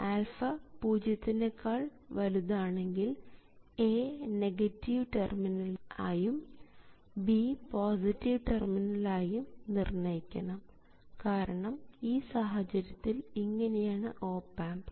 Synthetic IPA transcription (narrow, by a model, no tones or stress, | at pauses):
aːlfɐpuːd͡ʑɐt̪ːinekʰːaːɭʋɐluðaːɳe̞ŋɡil | eːneɡɐtːiʋʈerminɐla̰ːjum | bipoːsitːiʋʈerminɐlaːjumnirɳɐjikʲːɐɳɐm | kaːɾɐɳɐmiːsaːɦɐt͡ɕɐɾjɐt̪ːiliŋːɐne̞jaːɳɨʔo̞ːpːaːmb